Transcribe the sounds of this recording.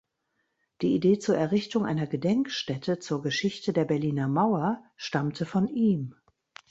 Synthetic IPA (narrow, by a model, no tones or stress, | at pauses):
d̥iːideːt͡suːɐɛɐʁɪçtʊŋʔa̰ɪnɐɡədɛŋkʃtɛtʰət͡suːɐɡəʃɪçtədeːɐbɛɐliːnɐmaʊɐʃtamtʰəfɔnʔiːm